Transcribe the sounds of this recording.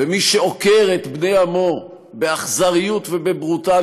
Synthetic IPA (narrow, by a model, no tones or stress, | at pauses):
vemiʃeokeʁet̪bnejamo̞ | beaχzaʁijut̪vebebʁut̪a